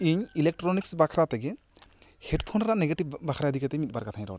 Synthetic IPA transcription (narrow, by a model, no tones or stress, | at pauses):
iɲilek̚ʈɾoniksbakʰɾat̪ɛɡɛ | hɛɖp̪ʰɔnɾãʔneɡeʈibbakʰɾad̪ʱikat̪ɛmit̪̚baɾkat̪ʰaj̃ɾɔ̰w